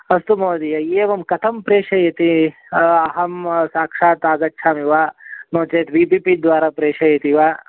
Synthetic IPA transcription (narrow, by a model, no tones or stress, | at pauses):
ɐst̪umoːd̪ijɐeːʋɐmkɐt̪ʰɐmpɾeːʂɐjɐt̪i | ɐɦɐmsaːkʂaːt̪aːzɐkʃʰaːmiʋaːnoːt͡ʃeːt̪biːpipid̪ʋaːɾapɾeːʂɐjɐt̪iʋaː